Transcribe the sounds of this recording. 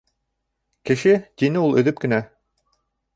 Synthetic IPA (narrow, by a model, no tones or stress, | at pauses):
kɘ̆ʃɘt̪ʲinɘulˠɵ̆ðɵp̚kɘ̆næ